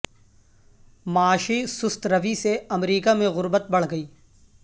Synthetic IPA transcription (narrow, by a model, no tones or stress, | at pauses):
maːʃisʊst̪ɾɐʋiseɐmɾiːkamẽɣʊɾbət̪̚bɐɽ̤ɡɐiː